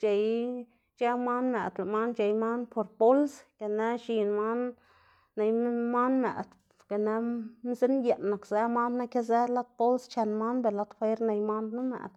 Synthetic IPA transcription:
t͡ʃe˨j | t͡ʃe˦ma˦nme˨d̪la˨ma˦nt͡ʃe˨jma˦npʰo˧ɾpo˦lsɡa˨ne˦ʃi˨nma˦nː | e˧jma˦nmḛ˨d̪ | ka˨ne˧m˦ze˦nje˨nːa˨kze˦ma˦nna˦kʲa˦ze˦la˦t̪̚po˦lst͡ʃe˧nma˦nbe˨la˦t̪fe˦ɾne˧jma˦nd̪nu˦mḛ˨d̪

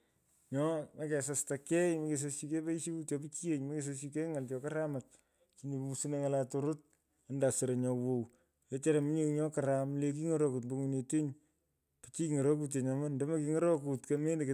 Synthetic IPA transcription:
ɲɔ˦ma˦kɛ˨sa˨stakɛ˦jmɐ˦ke˨s̬o˧si˧ke˦pe˦i˦ʃi˦bu˦tjɔpi˦t͡ʃi˦e˦˨ɲmɐ˦ke˨s̬o˧si˧k̬e˦ŋa˨ltɔ˨ka˦ɾa˦ma˨t̚ | t͡ʃi˨ɲe˨pu˦su˦ne˦ŋa˨la˨to˨ɾo˦t̚ | a˦nda˨se˨ɾe˨ɲɔ˨wo˨w | je˦t͡ʃa˦ɾa˨mi˦ɲe˦ɲɔ˦kaɾamle˨k̬i˦ŋo˦ɾo˦ku˨tmbo˦ŋu˨ne˨te˦ɲ | pi˨t͡ʃi˦ŋɔ˨ɾo˦ku˦t̬je˨ɲa˨ma˦ndo˦ma˦ki˧ŋɔ˦ɾo˦ku˨tkeme˦nde˨k

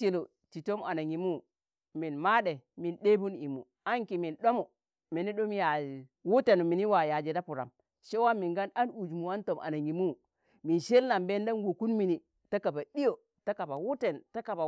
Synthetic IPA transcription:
t͡ʃi˨lo˨ | ti˨to˦ma˨na˨ŋi˨mu˦ | mi˨nma˦ɗe˨mi˨nɗe˦bu˦ni˨mṵ˨ | a˦ŋki˨mi˨nɗo˦mo˨ | mi˨ni˦ɗo˦m˦ja˨ | wu˦te˨no˨mi˨ni˦wa˨ja˨d͡ʒe˨da˦pu˨ɾa˨m | ʃe˦wa˦mi˨ŋɡa˦na˦nu˨d͡ʒmu˨wa˦nto˨mʔa̰˨na˨ŋi˨mu˦˨ | mi˨nʃe˦lna˨mbe˦nda˦nwo˨ku˦nmi˨ni˨ | ta˦ka˨ba˨ɗi˦jo˨ | ta˦ka˨ba˨wu˦te˨nta˦ka˨ba˨

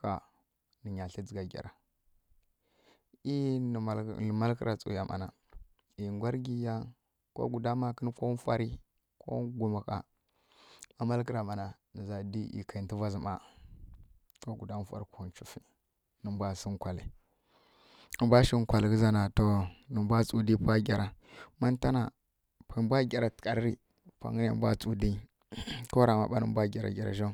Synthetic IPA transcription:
ka˨ | nə˨ɲa˨ɬi˦d͡zi˨ɡa˨ɡʲa̰˨ɾa˨ | i˦˨ | ə˨ma˦lki˦ɾa˨t͡sʼṵ˨ja˨mʔa̰˨na˨ | i˨ŋɡʷa˦ɾɡi˦ja˦n | ko̰˦ɡu˨da˦ma˦kə˦n˦ko˦fa˦ɾi˦ | ko̰˦ɡu˨ma˨ka̰˨ | ma˦ma˦lki˦ɾa˨ma˨na˨nə˨za˨di˦ʔḭ˨kʰa˨i˨˦ti˦va˦zi˨ma˦ | ko˦ɡu˨da˦fa̰˦˨ɾi˦ko˦u˦t͡ʃu˦fi˦ | nə˨mbʷa˦˨si˦ŋkʷa˨lḭ˨ | nə˨mbʷa˦ʃi˦ŋ˦kʷa˨li˨kə˦za˦na˨to˨nə˨mbʷa˦t͡sʼu˨di˦pa˦ɡʲa˨ɾa˨ma˦n˦ta˦na˨ | pa˨mbʷa˦ɡʲa˨ɾa˨tka˨ɾɾi˦ | pʷa̰˨ŋə˦na̰˦˨˦bʷa̰˦t͡sʼu˨di˦ | ko˦ɾa˨ma̰˨ɓa̰˦nə̰˨˦bʷa˦ɡʲa˨ɾa̰˨ɡʲa˨ɾa̰˨ʃo˦˨

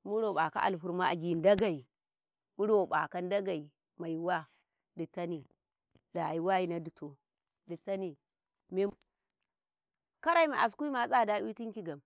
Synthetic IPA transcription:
mu˦ɾo˨ɓa˨ka̰˦ʔa̰˨lɸu˨˦ɾma˦a̰˨ɡi˨n˦da˦ɡa˨i˨ | mu˦ɾo˨ɓa̰˨ka˦n˦da˦ɡa˨i˨ | ma˨ji˨wa˦ | di˨ta˦ni˨ | da˨ji˨˦wa˦ji˦na˦di˨to˨ | di˨ta˦ni˨ | me˦ | ka˦ɾa˦i˦ma˨ʔa˨s̬ku˦i˦ma˨˦t͡sʼa˦˨da˦i˦ti˦ŋki˦ɡa˨m

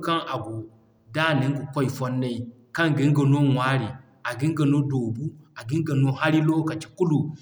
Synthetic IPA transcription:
ka˦ŋa˨ɡu˨ | da˦ni˨˦ŋɡu˨kɔ˦i˨fɔ˦nːa˦i˨ | ka˦ŋɡi˦ŋ˦ɡɐ˨no˦wa˦ɾi˨ | a˨ɡi˦ŋɡɐ˨no˦doː˨bu˦a˨ɡi˦ŋɡa˨no˦ha˦ɾi˦lo˦ka˨t͡ʃi̥˨ku˦lu˨

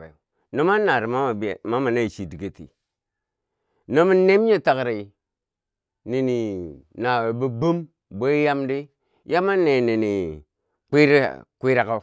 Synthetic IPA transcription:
no˦ma˦na˨ɾi˨ma˦a˨bma˦ma˨na˦i˨t͡ʃi˨di˨ɡe˨tḭ˨ | no˦mi˦ne˦m˦ɲe˦ta˨kɾa˨i˨ | ni˨ni˨na˨we˨bi˦bu˦m | bo˦ja˦mdi˦ | ja˦ma˦nːe˨ne˨ni˨ | ki˦ɾkʷi˦ɾa˨ka˦

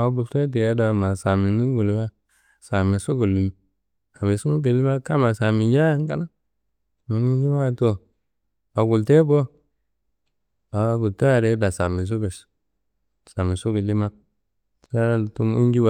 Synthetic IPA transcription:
a˨˦bu˨lte˦t̬i˨je˦da˨ma˨sa˨mi˨nu˦ɡu˨lwa˦ | sa˨mi˨su˦ɡu˨lːu˨m˨ | sa˨me˨su˦mu˦be˨li˦ma˦ka˦ma˨sa˨mi˨ja˦ja˦ŋ˦ka˦na˦ | ma˨mi˦n˦d͡ʒi˦wa˦˨to˨ | a˨ɡu˨lte˦bo˦ | a˨˦bu˨to˦a˦˨ɾe˦da˨sa˨mi˨s̬u˦ɡe˨s | sa˨mi˨su˦ɡe˨li˦ma˦k̚ | sa˦˨tu˦mi˦n˦d͡ʒi˦wa˦

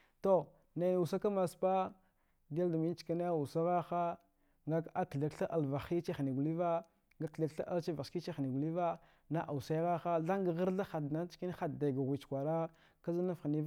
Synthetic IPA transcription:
to˦˨ | na˨n˨u˨sa˦ka˦ma˨spa˦ | da˦lda˨mi˦n˦t͡ʃka˦na˦˨u˨sa˦ɣa˦xa˦ | ŋɡa˦ka˦kɮa˨kɬa˦ʔa˨lva˨xi˦t͡ʃe˦xni˨ɡu˨li˦va˦ | ŋɡa˦kɬa˨kɬa˦ʔa̰˦lt͡ʃa˦va˨ski˦t͡ʃe˦xni˨ɡu˨li˦va˦ | na˦ʔa˨u˨sa˦jɣa˦xa˦ɮa˦ŋɡa˨ɣə˦ɾɬa˦xa˨dna˦t͡ʃki˦n˦xa˨dda˨ɡa˨ɣi˨t͡ʃkʷa˨ɾa˦ | ka˦za˦na˦fxni˦

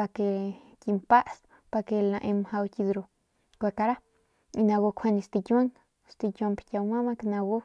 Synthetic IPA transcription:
a˧ke˧ | ki˧mpa˦ʔs | pa˧ke˧lã˧ʔe˧mha˧wkʲi˧d̪ɾu˧ | kʷe˧ka˧ɾa˦ | i˧na˧ɡo˧kʷʰe˧ni˧st̪i˧ka˦ŋ | st̪i˧kʲa˧mpkʲa˧wma˦ma˦kna˧ɡo˦

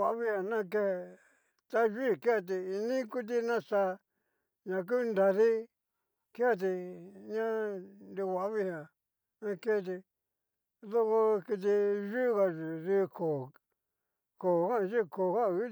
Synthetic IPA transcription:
a˧˦βi˦ha˨nã˦ke˧he˧ | t̪a˦ʒi˦˨ke˦a˧˨t̪̬i˧i˧nĩ˦ku˦t̪̬i˧nã˦˧sa˧ | ɲã˨k̬u˦˧nd̪a˧ði˦ | ke˦a˧˨t̪̬i˧ɲã˦nd̪i˧wa˧˦βi˦ha˨ | nã˧ke˦˧t̪̬i˧ | ðo˧ko˧ki˧t̪̬i˧ʒu˦ɣa˧ʒu˨ði˦˧kʰo˨ | ko˨kã˦˧ʒi˦˨ko˨ka˦˨u˦

